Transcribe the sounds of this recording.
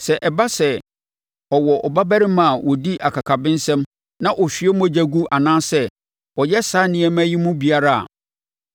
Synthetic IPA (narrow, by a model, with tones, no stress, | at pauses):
sɛ˨ʔɛ˨ba˦sɛ˨ | ɔ˨wɔ˨ʔɔ˨ba˦bæ˦ɾɪ˦mã˨wɔ˨di˦ʔa˨kʰa˨kʰa˨bɪ̃˦n̩˦sɛ̃˦m | nã˦ʔɔ˨ɕᶣi˨˦ɛ˦mũ˦æ˦˨d͡ʑæ˦ɡu˦ʔa˨nãː˦sɛ˦˨ | ɔ˨jɛ˦sa˦nɪ̃˨˦ɛ˦mæ̃˦ji˦mũ˦bi˨a˦ɾa˦a̰˨